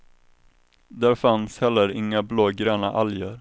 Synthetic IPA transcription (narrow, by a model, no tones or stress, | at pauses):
d̪æɾfanshɛlːəɾɪŋːabloːɡɾœːna̰ʔaljəɾ